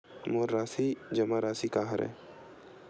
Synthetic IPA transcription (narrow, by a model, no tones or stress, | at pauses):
moːɾɾaːsid͡ʒɐmaɾaːsikaːɦə̰ɾɛ̰̃ː